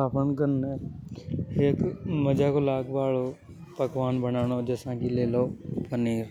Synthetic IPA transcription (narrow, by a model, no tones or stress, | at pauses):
aːpʰənkən | ɦekməd͡ʒakoːlaːɡʋaːɭo | pəkʋaːnbənaːɽ̃oːd͡ʒəsãːkileːloːpəniːɾ